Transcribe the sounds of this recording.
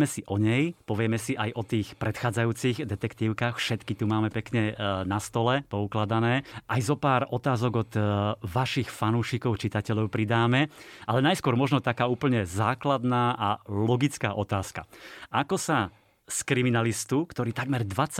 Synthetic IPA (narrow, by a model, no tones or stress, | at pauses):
mɛsiʔɔɲɛjpɔʋɪɛmɛsiʔajʔɔt̪iːxpɾɛt̪xaːd͡zajuːt͡siɣd̪ɛt̪ɛkt̪iːʊkaːxfʃɛt̪kit̪umaːmɛpɛkɲɛnast̪ɔlɛpɔuklad̪anɛːʔajzɔpaːɾɔt̪aːzɔɡɔt̪ʋaʃixfanuːʃikɔʊt͡ʃit̪acɛʎɔʊpɾid̪aːmɛʔalɛnajskʊɔɾmɔʒnɔt̪akaːuːpl̩ɲɛzaːklad̪naːʔalɔɡit͡skaːʔɔt̪aːska̰akɔsa | skɾiminalist̪ukt̪ɔɾiːt̪aɡmɛɾd̪ʋat͡s